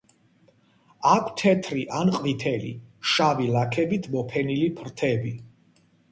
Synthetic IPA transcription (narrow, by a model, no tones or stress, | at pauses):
akʷʰt̪ʰɛt̪ʰɾiʔanqʼvit̪ʰɛlḭʃavilakʰɛbit̪ʰmɔpʰɛnilipʰɾt̪ʰɛbi